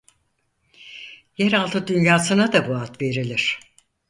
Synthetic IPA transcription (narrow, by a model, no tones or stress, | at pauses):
jɛɾalˠt̪ʰɯd̪ynjaːsɯnad̪abuat̪ve̞ɾilʲiɾ̥